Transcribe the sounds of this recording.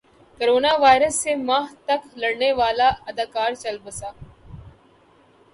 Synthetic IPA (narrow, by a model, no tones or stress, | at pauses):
koɾoːnaːʋaːjɪɾəsːemãːɦt̪ɐklɐɽneʋaːlaɐd̪aːkaːɾt͡ʃɐlbəsaː